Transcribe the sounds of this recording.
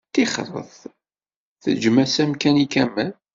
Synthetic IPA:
t̪iχɾˤə̰θ | θə̰d͡ʒmæsæmkænikæmːæn

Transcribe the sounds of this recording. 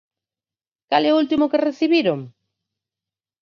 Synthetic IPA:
kalɛʊult̪imʊkereθiβiɾoŋ

